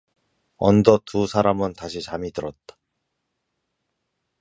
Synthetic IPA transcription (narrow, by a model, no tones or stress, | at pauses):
ʌ̰ndʌtusʰaɾamɯntaɕʰit͡ɕamitɯɾʌt̚t͈ḁ